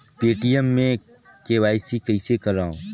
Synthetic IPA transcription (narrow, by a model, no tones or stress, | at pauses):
peːʈijəmːẽ | keʋaːɪsikɐisekɐɾaːũː